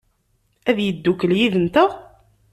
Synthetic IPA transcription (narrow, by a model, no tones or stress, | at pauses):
æðjəd̪ːukːəljiðənt̪ə